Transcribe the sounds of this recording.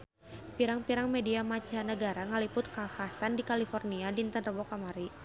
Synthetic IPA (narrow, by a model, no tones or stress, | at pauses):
piɾaŋpiɾaŋmediamat͡ʃanəɡaɾaŋəlipʊt̪̚kahasandikalifɔrniadint̪ənrəbɔkamaɾi